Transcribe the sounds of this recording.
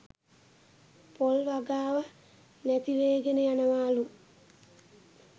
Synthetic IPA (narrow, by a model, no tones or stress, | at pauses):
polʋaɡaːʋə | næt̪iʋeːɡenəjanəʋaːlu